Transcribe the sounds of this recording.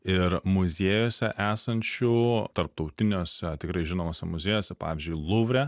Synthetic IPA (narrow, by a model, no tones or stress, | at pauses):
ɪɾmʊzʲeːjoːsʲɛʔæːsɐnʲt͡ʃʲʊt̪ɐɾp̚t̪ɒʊt̪ʲɪnʲoːsʲɛt̪ʲɪkɾɐɪʒʲɪnoːmoːsʲɛmʊzʲeːjoːsʲɛpɑ̰ːʋʲɪzʲd͡ʒʲʊɪlˠʊʋʲɾʲɛ